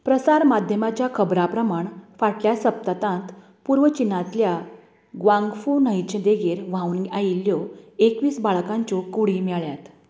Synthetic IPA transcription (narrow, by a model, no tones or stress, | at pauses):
pɾəsaɾmad̪ʱjəmat͡ɕjakʰəbɾapɾəmaɳfaʈljasəp̚t̪at̪ãnt̪ | puɾʋət͡ɕinːãt̪lja | ɡʋãŋɡfunəjt͡ɕed̪eɡeɾʋ̤ãuːnɡajilːjɔekʋiːsbaɭkãɲt͡ɕokuɽimɛɭjat̪